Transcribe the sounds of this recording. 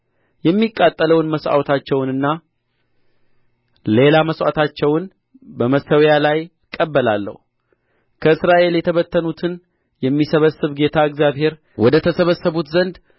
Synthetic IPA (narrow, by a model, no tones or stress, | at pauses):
jɛmːikʼːat̪ʼːələwnməsʔa̰wt̪ʰat͡ʃːɛwnɨnːa | le̞laməswa̰t̪ʰat͡ʃːɛwn | bəməsəwjalaj | kʼːəbːəlalːə̰hu | kʰəɨsɾaʔe̞ljɛt̪ʰəβət̪ːənut̪ʰɨn | jɛmːisəβəsːɨβɡe̞t̪ʰaɨɡzjaβhe̞ɾ | wɔd̪ət̪ʰəsəβəsːəβut̪zənd̪